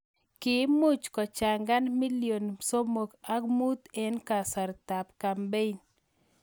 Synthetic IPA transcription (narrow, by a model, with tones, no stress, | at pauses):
kɪ˨˦mʊ˦t͡ʃkɔ˨t͡ʃa˨ŋɡa˦nmi˦ljo˨nso˦mo˨ka˦kmu˦t̪ɛ˦nka˨sa˨ɾt̪a˨pka˨mbe˦ɲ